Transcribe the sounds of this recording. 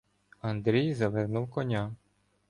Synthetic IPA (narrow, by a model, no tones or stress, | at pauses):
ɐnd̪ɾʲijzɐʋɛrnuwkɔnʲa